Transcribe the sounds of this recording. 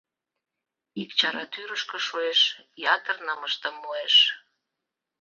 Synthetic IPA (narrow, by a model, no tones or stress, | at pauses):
ikt͡ɕɑɾɑt̪yɾəʃkə̆ʃueʃjɑt̪ərnɑməʃt̪əmːoeʃ